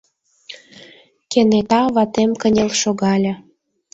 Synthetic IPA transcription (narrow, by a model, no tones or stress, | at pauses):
kenet̪ɑβɑt̪emkənʲĕlʃoɣɑlʲɤ̆